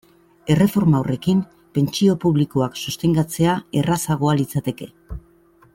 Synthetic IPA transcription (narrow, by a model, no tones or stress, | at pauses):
e̞re̞fo̞ɾmaːwre̞kim | pe̞nt͡ʃio̞puβlikoaksust̪e̞ŋɡat͡se̞ae̞rasaɣ̞o̞alit͡sat̪e̞ke̞